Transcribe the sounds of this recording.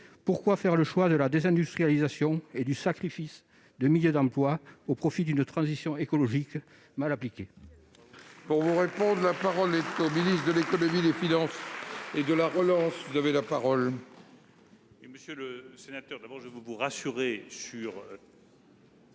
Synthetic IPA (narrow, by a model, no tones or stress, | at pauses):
puʁkwafɛʁləʃwad̪əlad̪ezɛ̃d̪yst̪χijalizasjɔ̃ed̪ysakχifis | d̪əmiljød̪ɑ̃plwaopχɔfid̪ynət̪χɑ̃zisjɔ̃ekɔlɔʒik | malaplikʲe | puʁvuʁepɔ̃d̪ʁəlapaʁɔlɛt̪ominist̪d̪əlekɔnɔmid̪efinɑ̃sed̪əlaʁəlɑ̃svuzavelapaʁɔl | məsjøləsenat̪œʁd̪abɔʁʒəvəvuʁasyʁesyʁ